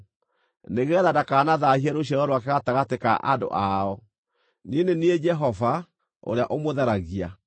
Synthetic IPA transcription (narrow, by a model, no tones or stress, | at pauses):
neɣɛðadakaːnaðahiɛɾoɕ̬ɛɾɔɾwakɛɣataɣateka̰ʔa̰ndo̰ʔaɔ | nienenied͡ʒɛɦɔva | o̰ɾeaʔomoðɛɾaɣia